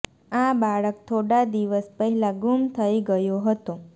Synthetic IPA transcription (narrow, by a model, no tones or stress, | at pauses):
abaɭək̚t̪ʰoɽad̪iʋəspəɦɛlaɡumt̪ʰəiɡəjoɦət̪o